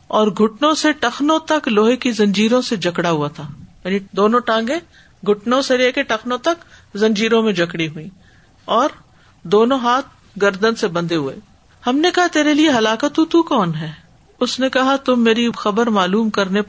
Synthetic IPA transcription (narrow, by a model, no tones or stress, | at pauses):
ɔːɾɡʱʊʈnõseʈɐxnõt̪ɐkloːɦekizɐ̃ɲd͡ʒiːɾõsed͡ʒʱɐkɽaɦuat̪ʰaːjaːnid̪oːnõʈãːŋɡẽ | ɡʱʊʈnõseɾeːkeʈɐxnõt̪ɐkzɐ̃ɲd͡ʒiːɾõmẽd͡ʒʱɐkɽiɦuĩː | ɔːɾ | d̪oːnõɦaːt̪̚ʰ | ɡɐɾd̪ənsebɐ̃nd̪eɦuḛː | hɐmnekɐɦat̪eːɾelieɦɐlaːkət̪ːũt̪ukɔːnɦɛː | ʊsnekɐɦat̪ʊmːeːɾixɐbəɾmaːluːmkɐɾne